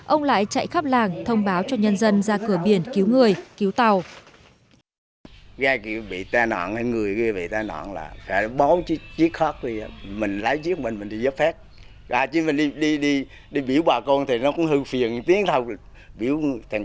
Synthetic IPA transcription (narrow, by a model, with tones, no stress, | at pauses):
ʔə˧wŋ͡mla̰ː˧˨jt͡ɕa̰˧˨jxaː˦˥p̚laː˨˩ŋt̪ʰə˧wŋ͡mɓaː˨˦wt͡ɕɔ˧ɲə˧nzə˧nzaː˧kɨ˧˩əɓi˧˩ənki˨˦wŋɨ˨˩əjki˨˦wt̪a˧w | ɣaː˧jki˨˩ɓḭ˧˨t̪aː˧nɔ̰˧˨nha˧ŋɨ˨˩əjɣi˧vḭ˧˨t̪aː˧nɔ̰˧˨nla̰ː˨˩fa˧˩˨ɓɔ˨˦wt͡ɕi˦˥k̚t͡ɕi˦˥ək̚xɔ˦˥t̚zi˧˩aː˨˦mi˨˩ŋ̟la˨˦jt͡ɕi˦˥k̚mi˨˩ŋmi˨˩ŋɗi˧zə˦˥p̚fɛː˦˥t̚ | vaː˨˩t͡ɕi˨˦mi˨˩nɗi˧ɗi˧ɗi˧ | ɗi˧ɓi˧˩əwɓwaː˨˩kɔ˧nt̪ʰi˨˩nɔ˨˦kʊ̰˧˥ŋ͡mhɨ˧fi˨˩ənt̪i˨˦˥əŋt̪ʰə˨˧˩w | ɓi˧˩əwt̪ʰŋ